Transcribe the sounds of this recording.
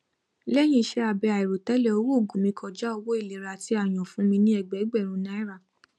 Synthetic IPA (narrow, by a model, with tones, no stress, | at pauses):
lɛ˦j̃ĩ˧˦ʃɛ˧a˨bɛ˧a˨i˨ɾo˨tɛ˨˦lɛ˦o˧˦wu˦˨ɡũ˨mĩ˧˦kʰɔ˨d͡ʒa˦ɔ˧wɔ˦i˦˨le˨ɾa˨ti˧˦a˦˨j̃ɔ̃˨fũ˨˦mĩ˧nĩ˦ɛ˦˨ɡ͡bɛ˨˦ɡ͡bɛ˦˨ɾ̃ũ˨˧nã˦i˦ɾa˦˨